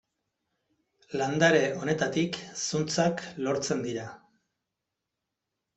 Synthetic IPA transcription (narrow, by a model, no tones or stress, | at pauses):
land̪aɾe̞o̞ne̞t̪at̪iksunt͡saklo̞ɾt͡se̞nd̪iɾa